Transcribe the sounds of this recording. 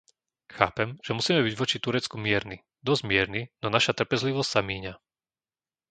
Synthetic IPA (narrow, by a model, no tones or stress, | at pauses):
xa̰ːpɛmʒ̥ɛmusiːmɛβiɟʋɔt͡ʃit̪uɾɛt͡skumɪɛɾni | d̪ɔzɟmɪɛɾninɔnaʃat̪r̩pɛzliʋɔstʲsamiːɲa